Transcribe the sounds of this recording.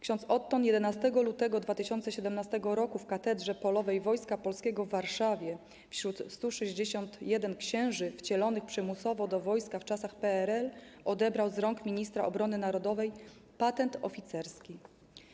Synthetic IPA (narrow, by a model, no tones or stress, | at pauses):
kɕɔ̃nt̪sɔt̪ːɔnjɛd̪ɛnast̪ɛɡɔlut̪ɛɡɔd̪vat̪ɘɕɔnt̪sɛɕɛd̪ɛmnast̪ɛɡɔɾɔkufkat̪ɛd̪ʐɛpɔlɔvɛjvɔjskapɔlskʲɛɡɔvːaɾʂavʲjɛ | fɕɾut̪st̪uʂɛʑd͡ʑeɕɔnt̪jɛd̪ɛnkɕɛ̃w̃ʐɘft͡ɕɛlɔnɘxpʂɛmusɔvɔd̪ɔvɔjskaft͡ʂasaxpɛɛɾɛlɔd̪ɛbɾawzɾɔŋkmʲiɲist̪ɾa̰ʔɔbɾɔnɘnaɾɔd̪ɔvɛj | pat̪ɛnt̪ɔ̰fʲit̪sɛɾskʲi